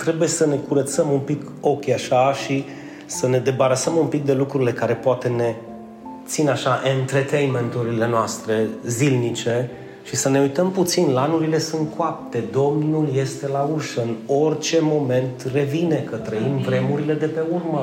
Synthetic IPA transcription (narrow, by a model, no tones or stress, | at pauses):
t̪ɾe̞buje̞səne̞kuɾət̪səmumpiko̞kʲaʃaʃi | səne̞d̪e̞baɾasəmumpik̚d̪e̞lukɾuɾile̞kaɾe̞poat̪e̞ne̞ | t̪sinaʃaʔent̪ɾet̪ejnme̞nt̪uɾile̞noast̪ɾe̞zilnit͡ʃe̞ | ʃisəne̞ujt̪əmput̪sinlanuɾile̞sunt̪̚kʰoap̚t̪e̞d̪o̞mnulje̞st̪e̞lauʃəɨno̞rt͡ʃe̞mo̞me̞nt̪re̞vine̞kət̪ɾəimvɾe̞muɾile̞d̪e̞pe̞urmə